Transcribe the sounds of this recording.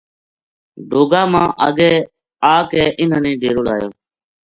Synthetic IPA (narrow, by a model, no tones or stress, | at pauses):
ɖoːɡaːmãːʔəɡeː | aːkẽːʔɪnənĩːɖeːɾoːlaːjõː